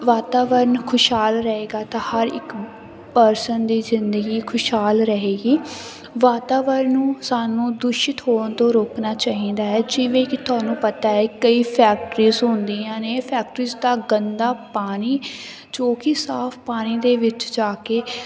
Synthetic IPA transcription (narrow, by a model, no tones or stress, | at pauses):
ʋaːt̪aːʋəɾənkʰʊʃɦaːlɾəɦeːɡaːt̪ãːhəɾɪ̰k | pəɾsənd̪iːzɪnd̪əɡiːkʰʊʃɦaːlɾəɦeːɡiː | ʋaːt̪aːʋəɾnːũːsaːnũːd̪ʊʃɪt̪ɦoːnt̪õːɾoːknaːt͡ʃaːɦĩːnd̪aːɦɛːd͡ʒɪʋẽːkɪt̪ʊaːnũːpət̪aːɛːkəiːpʰɛːk̚ʈɾiːzɦʊnd̪iːãːneːpʰɛːkʈɾiːzd̪aːɡənd̪aːpaːñiː | t͡ʃoːkiːsaːpʰpaːñiːd̪eːʋɪt͡ʃd͡ʒaːkeː